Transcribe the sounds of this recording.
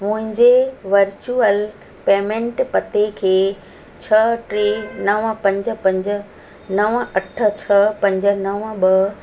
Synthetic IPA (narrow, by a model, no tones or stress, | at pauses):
mʊ̃ɦɪ̃ɲd͡ʑeʋɐɾt͡ɕuəl | peːmẽɳʈpɐt̪ekʰeː | t͡ɕʰɐʈɾeːnɐʋpɐ̃ɲd͡ʑə̆pɐ̃ɲd͡ʑə̆ | nɐʋɐʈʰə̆t͡ɕʰɐpɐ̃ɲd͡ʑə̆nɐʋɓɐ